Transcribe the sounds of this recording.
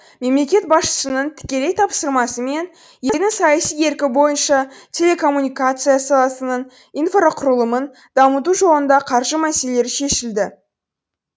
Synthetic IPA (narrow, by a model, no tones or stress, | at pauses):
me̞mle̞kʲe̞t̪̚bɑsʃə̥sənəɴt̪ʰɪ̥kʲe̞le̞jt̪ʰɑpsəɾmɑsəme̞n | je̞jd̪ɪŋsɑjɑsije̞ɾkʲɪbo̞jənʃɑt̪ʲʰe̞lʲe̞kʰo̞mːunʲijkat̪sɨjasɑlˠɑsənəɴ | infoɾoqʰʊɾəlˠəmən | d̪̥ɑmət̪̬uʒo̞lənd̪ɑqʰɑɾʒəmæse̞le̞ɾɪʃe̞ʃɪld̪ɪ